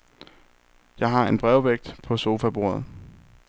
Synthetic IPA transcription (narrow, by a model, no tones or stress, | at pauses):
jɑ̈ɪɦɑ̈e̝nb̥ʁɛʊʋeɡ̥̚d̥pʰɒ̽so̝ːfæb̥o̝̰ɐð̞̩ˠ